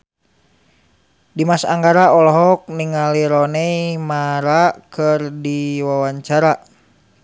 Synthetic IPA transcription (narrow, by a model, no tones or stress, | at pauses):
dimasa̰ŋɡaɾaɔlɔɦɔk̚niŋaliɾɔnɛimaɾakərdiwawaɲt͡ʃaɾa